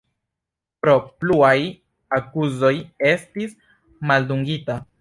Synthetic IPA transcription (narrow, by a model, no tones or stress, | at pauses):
pɾo̞pluaj | akuzo̞je̞stis | malduŋɡita